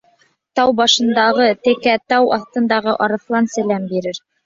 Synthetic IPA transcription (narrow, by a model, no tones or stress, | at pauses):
t̪ɑwbɑʃɤ̆nd̪ɑʁɤt̪ɘ̆kæt̪ɑwɑ̰θt̪ɤ̆nd̪ɑʁɤʔɑɾɤ̆flˠɑnsɘ̆læmbiɾɘɾ